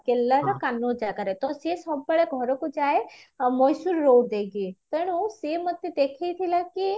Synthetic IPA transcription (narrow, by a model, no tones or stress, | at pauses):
kelːəɾɐkanːod͡ʒakəɾet̪osesɐbːəɭeɡʱɔɾokod͡ʒaːemɔjsuɾːoːɽd̪eɡit̪əɽ̃usemət̪ːed̪eːkʰeit̪ʰilaki